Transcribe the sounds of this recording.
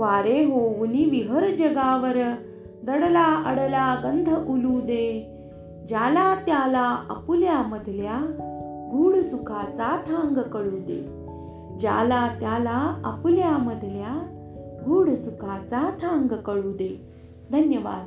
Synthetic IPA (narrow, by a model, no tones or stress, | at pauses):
ʋaɾeɦoʋuniʋiɦəɾd͡ʑəɡaʋəɾ | d̪əɽlaəɽlaɡənd̪ʱəʔulud̪e | d͡ʑalat̪jalaa̰puljaməd̪ʱlja | ɡʱuːɽsukʰat͡sat̪ʰãŋɡkəɭuːd̪ḛ | d͡ʑa̰lat̪jalaə̰puljaməd̪ʱlja | ɡʱuːɽsukʰat͡sat̪ʰãŋɡkəɭud̪e | d̪ʱənjəʋa̰ːd̪